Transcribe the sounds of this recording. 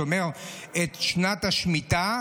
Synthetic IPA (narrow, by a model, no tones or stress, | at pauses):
omeʁet̪ʃnat̪aʃmit̪a